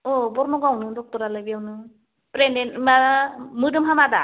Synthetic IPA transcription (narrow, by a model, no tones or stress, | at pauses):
ɔbɔɾnɔɡawnɯdɔk̚tɔɾalɯjbijawnɯ | pɾendenmamɯdɯmɦamada